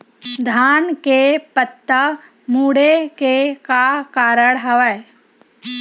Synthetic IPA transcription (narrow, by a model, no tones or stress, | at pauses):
d̪ʱaːnkepət̪ːə | muːɽekekakaːɾəɽɦəʋə